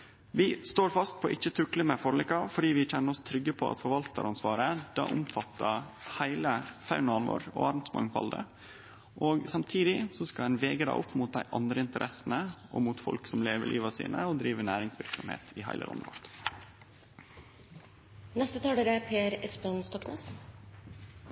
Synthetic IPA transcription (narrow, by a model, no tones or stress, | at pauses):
ʋɪst̪oːɾfɑst̪̚pʰɔʔɪçːət̪ʰɾʉkləmɛfɔɾlɪkːɑfɔɖiːʋɪc͡çɛnːəɾɔst̪ʰɾʏɡːəpʰɔɑ̰t̪fɔɾʋɑlt̪ə̰ɾʔɑnsʋɑːɾəd̪̥ɑ̰ːʔʊmfɑt̪ːəhæɪləfɑʉnɑnʋo̰ːɾɔ̰ɑɾmt̪smɑ̰ŋfɑ̰ld̪ə̰ | ʔoːɡsɑmt̪ʰiːd̪ɪsɔskɑɛnʋeːɡəd̪æ̰ɪʔɔpːmuːt̪̚d̪æɪʔɑnd̪ɾəɪnt̪əɾʔɛsənəʔɔ̰mut̪fɔ̰lksɔmleːʋə̰ɭʔḭːʋɑsḭːnəɔd̪ɾiːʋəɳæːɾɪŋsʋɪɾksɔmhḛːt̪ʰɪɦæ̰ɪlə̰ɾɔ̰nʋɔ̰ɾt̪ | nɛst̪ət̪ʰɑːɖ̪eɾəpʰeːɾɛspənst̪ɔkneːs